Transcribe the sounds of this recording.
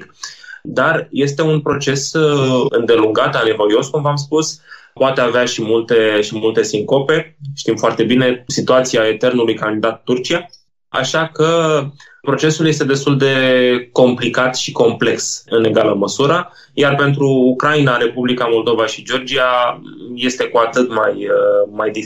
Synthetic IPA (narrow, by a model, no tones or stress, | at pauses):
kd̪arje̞st̪e̞unpɾo̞t͡ʃe̞sɨ̰nd̪e̞luŋɡat̪anevoɾio̞skumvams̬puspoat̪e̞aveaʃimult̪e̞ʃimult̪e̞siŋko̞pe̞ʃt̪imfoart̪e̞bine̞sit̪uat̪siae̞t̪e̞rnulujkand̪id̪at̪ːurt͡ʃija | a̰ʃakə | pɾo̞t͡ʃe̞sulje̞st̪e̞d̪e̞st̪uld̪e̞ko̞mplikat̪ʃiko̞mple̞ksɨne̞ɡaləməsuɾə | jarpe̞nt̪ɾuːkɾainaɾe̞publikamo̞ld̪o̞vaʃid͡ʒo̞rd͡ʒiaje̞st̪e̞kuat̪ɨt̪majmajd̪i